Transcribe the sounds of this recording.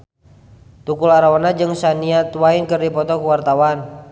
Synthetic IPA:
t̪ukulaɾawanad͡ʒɨŋsaniat̪uwainkərdipɔt̪ɔkuwart̪awan

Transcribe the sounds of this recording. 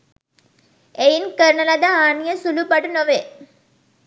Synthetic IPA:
ejnkəɾɳɐlɐd̪aaːnijəsulupaʈunoʋe

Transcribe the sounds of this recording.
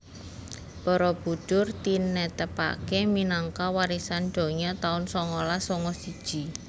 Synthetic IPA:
b̥ɔɾɔb̥ṳd̥ʊrt̪inɛt̪əpa̰keminaŋkawaɾisanɖ̥ɔ̤ɲat̪aʊnsɔŋɔlasɔŋɔsid̥ʒ̥i̤

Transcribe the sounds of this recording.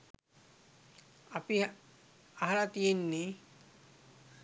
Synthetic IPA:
api | aɦalat̪ijenːe

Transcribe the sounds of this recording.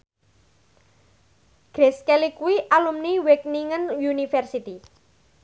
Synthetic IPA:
ɡ̥ɾeskelikuwiʔalumniwek̚niŋənjunifɛrsit̪i

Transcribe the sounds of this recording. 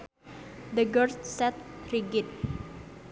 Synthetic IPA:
d̪əɡərssɛt̪̚riɡɪt̪̚

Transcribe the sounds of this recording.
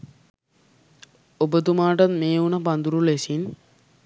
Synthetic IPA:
obət̪umaːʈat̪meːunəpand̪uɾulesin

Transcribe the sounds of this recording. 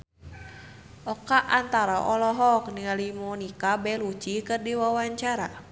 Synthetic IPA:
ʔɔkaʔant̪aɾaʔɔlɔɦɔk̚nialimɔnikabɛlut͡ʃikɨrdiwawaɲt͡ʃaɾa

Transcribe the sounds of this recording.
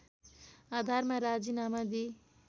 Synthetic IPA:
ad̪ʱaɾmaɾad͡zinamad̪i

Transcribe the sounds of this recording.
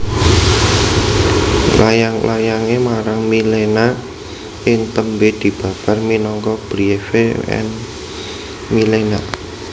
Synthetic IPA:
lajaŋlajaŋemaɾaŋmilena | ʔɪŋt̪əmbed̪̥i̤b̥ä̤parminɔŋkɔb̥ɾiefeɛ̰n | milena

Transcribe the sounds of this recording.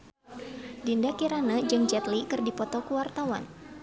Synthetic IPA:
dindakiɾanəd͡ʒɨŋd͡ʒɛt̪likɨrdipɔt̪ɔkuwart̪awa̰n

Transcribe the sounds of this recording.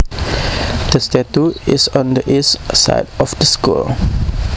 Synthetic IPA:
d̥əstɛtuisɔ̃ndəʔissa̰ɪdɔfdəskṵl

